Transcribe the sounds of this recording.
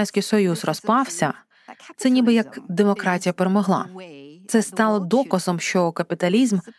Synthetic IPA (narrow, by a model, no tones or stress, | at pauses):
ɛnʲsʲkʲijsɔjuzrɔspɑwsʲɐ | t̪sɛnʲibɪjɐkd̪e̞mɔkɾɑtʲijɐpeɾemɔɦlˠɑ̰t̪sɛst̪ɑlˠɔd̪ɔkɐzɔmʃt͡ʃɔkɐpʲit̪ɐlʲizm